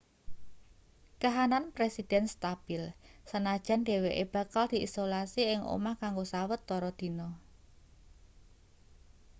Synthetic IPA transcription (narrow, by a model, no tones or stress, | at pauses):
kaɦananpɾesid̪̥ɛnst̪ab̥ɪlsənad̥ʒ̥a̤nɖ̥e̤weʔeb̥a̤kald̪̥i̤ʔisolasiɪŋʔo̰makaŋɡosawət̪ːɔɾɔd̪̥i̤nɔ